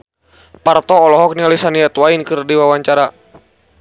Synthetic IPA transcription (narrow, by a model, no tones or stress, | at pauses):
part̪ɔːlɔɦɔk̚nialisaniat̪wainkɨrdiwawaɲt͡ʃaɾa